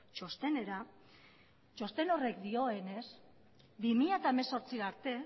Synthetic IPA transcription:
t͡ʃo̞st̪e̞ne̞ɾa | t͡ʃo̞st̪e̞no̞re̞kd̪io̞e̞ne̞s | bimiʎaet̪aeme̞so̞ɾt͡siɣaɾt̪e̞

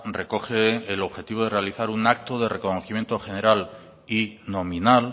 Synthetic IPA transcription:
re̞ko̞xeːlo̞βxe̞t̪iβ̞o̞ð̞e̞realiθaɾunakt̪oðe̞re̞ko̞noθimje̞nt̪o̞xe̞ne̞ɾal | ino̞mĩnal

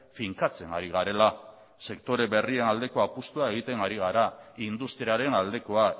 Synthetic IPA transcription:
fiŋkat͡se̞ŋɡa̰ɾiɣaɾe̞la | se̞kt̪o̞ɾe̞βe̞rie̞nald̪e̞ko̞apust̪uae̞ɣ̞it̪e̞ŋɡaɾiɣ̞aɾaind̪ust̪ɾiaɾe̞nald̪e̞ko̞a

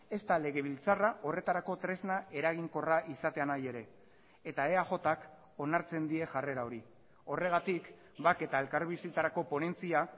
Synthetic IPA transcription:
e̞st̪ale̞ɣ̞e̞β̞ilt͡saraʔo̞re̞t̪aɾako̞t̪ɾe̞znae̞ɾaɣ̞iŋko̞raʔisat̪e̞anaje̞ɾe̞ː | t̪ae̞aʝo̞t̪ak | o̞naɾt͡se̞nd̪ie̞ʝare̞ɾao̞ɾi | o̞re̞ɣ̞at̪ik | bake̞t̪ae̞lkaɾβisit͡saɾako̞po̞ne̞nt͡sia

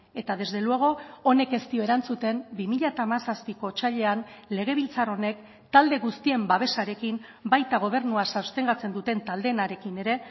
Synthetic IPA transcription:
e̞t̪aðe̞zd̪e̞lweɣ̞o̞ːne̞ke̞st̪io̞e̞ɾant͡sut̪e̞mbimiʎat̪aːmasaspiko̞t͡ʃaʎe̞anle̞ɣ̞e̞βilt͡saro̞ne̞k | t̪ald̪e̞ɣust̪ie̞mbaβ̞e̞saɾe̞kimbajt̪aɣ̞o̞β̞e̞ɾnuasawst̪e̞ŋɡat͡se̞nd̪ut̪e̞nt̪ald̪enaɾe̞kine̞ɾe̞

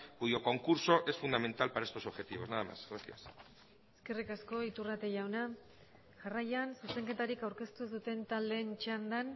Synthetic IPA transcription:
ɡujo̞ko̞ŋkuɾso̞ʔe̞sfund̪ame̞nt̪alpaɾaest̪osoβxe̞t̪iβo̞snaðama̰sɣɾasia̰s | eske̞rikasko̞it̪urat̪e̞ʝawna | ʝarajansuse̞ŋke̞t̪aɾikawɾke̞st̪usut̪e̞nt̪ald̪eːnt͡ʃand̪an

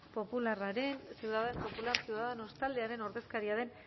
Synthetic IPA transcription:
po̞pularaɾe̞nsewðaðempo̞pulaɾsiwðaðeno̞st̪ald̪e̞aɾe̞no̞ɾðe̞skaɾiaðe̞n

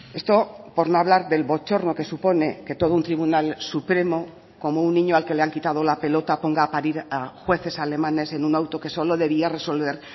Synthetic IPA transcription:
e̞st̪o̞po̞ɾno̞aβ̞laɾðe̞lβo̞t͡ʃo̞ɾno̞ke̞supo̞ne̞ke̞t̪o̞ð̞ount̪ɾiβunalsupɾe̞mo̞ | ko̞mounːiɲoalke̞le̞aŋkit̪aðo̞lape̞lo̞t̪apo̞ŋɡaːpaɾiɾaxwe̞θe̞sale̞mane̞se̞nunawt̪o̞ke̞so̞lo̞ðe̞β̞iare̞so̞lβ̞e̞ɾ

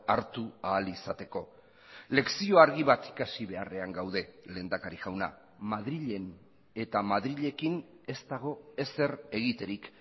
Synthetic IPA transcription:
aɾt̪uaːlisat̪e̞ko̞ | le̞ksio̞aɾɣ̞iβat̪i̥kasiβe̞are̞aŋɡawðe̞leːnd̪akaɾiɣawna̰ | maðɾiʎe̞n | e̞t̪amaðɾiʎe̞kin | e̞st̪aɣ̞o̞e̞se̞re̞ɣit̪e̞ɾik

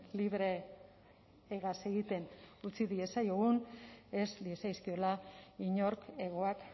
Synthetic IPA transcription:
liβɾe̞ | ɣase̞ɣit̪e̞nut͡siðie̞sajoɣune̞slie̞sajskio̞laiɲo̞ɾke̞ɣ̞o̞ak

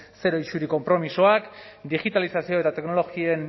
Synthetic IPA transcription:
se̞ɾo̞it͡ʃuɾiko̞mpɾo̞miso̞akd̪iɣit̪alisasio̞e̞t̪at̪e̞kno̞lo̞ɣien

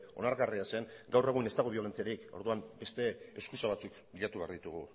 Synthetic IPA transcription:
o̞naɾɣariase̞ŋɡawre̞ɣ̞une̞st̪aɣ̞oβio̞lent͡siaɾiko̞ɾðuambe̞st̪e̞ːskusaβat͡suk | biʎat̪uβe̞aɾðit̪uɣ̞u

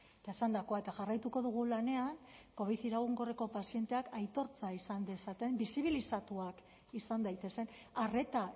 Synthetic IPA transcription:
et̪aesand̪akoaet̪aʝarajt̪uko̞ðuɣ̞ulane̞aŋko̞βiθiɾaɣuŋɡo̞reko̞pasije̞nt̪e̞akajt̪o̞ɾt͡saisand̪esat̪e̞mbisiβ̞ilisat̪uak | isand̪ajt̪e̞se̞n | are̞t̪a

